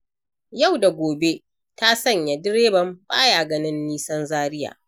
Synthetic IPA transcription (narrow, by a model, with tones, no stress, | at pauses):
ja˦˨wda˨ɡʷoː˨be˦ | ta˦sɐ˦˨ɲja˨dɪ˦ɽeː˦bɐ˨mbaː˦ja˨ɡɐ˦nɪ˦nːiː˦sɐ˦nzaː˦ɾɪ˦ja̰ː˨